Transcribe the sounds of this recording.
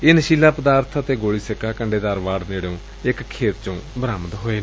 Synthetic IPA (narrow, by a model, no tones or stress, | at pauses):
ɪnʃiːlaːpəd̪aːɾt̪ʰːt̪eːɡoːɽiːsɪkʰaːkəɳɖeːd̪aːɾʋaːɽneːɽeõː | ɪkkʰːeːt̪t͡ʃõːbəɾaːməd̪ɦoːeːn